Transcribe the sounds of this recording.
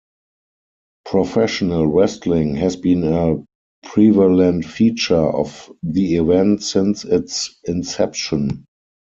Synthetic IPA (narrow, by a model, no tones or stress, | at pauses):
pʰɹɔfɛʃɔnəlwɛstlɪ̃ŋhɛzbĩːnə | pʰɹivalɛ̃ntfiːt͡ʃə˞ʔɔ̰fðiivɛ̃ntsɪ̃nsɪtsɪ̃nsɛpʃɔ̃n